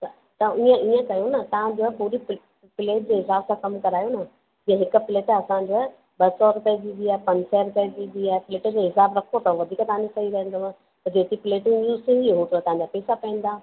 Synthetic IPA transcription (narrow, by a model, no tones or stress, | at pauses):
ɐ | t̪ɐiə̃ʔiːə̃kɐjõnɐt̪ɐʋ̤ãd͡ʑopuːɾi | pɪleːʈ̚d͡ʑeːɦɪsaːbsãkɐmkɐɾaːjonɐ | d͡ʑiːə̃ɦɪkʊ̆pɪleːʈɐsãd͡ʑo | ɓɐsɔɾʊpɛːd͡ʑĩd̪iaːɦpɐ̃ɲsɛːɾʊpɛːd͡ʑĩd̪iaːɦɛpɪleːʈd͡ʑeɦɪsaːbɾɐkʰot̪ɐʋɐd̪ʱiːkt̪ɐɦãd͡ʑesɐiɾɐɦə̃nd̪oãː | t̪ɐd͡ʑeːt̪ipɪleːʈɪ̃ŋɡjuːzt̪ʰĩːnd̪iɦot̪ʰot̪ɐʋ̤ãɲd͡ʑapɛːsapɛ̃n̆d̪aː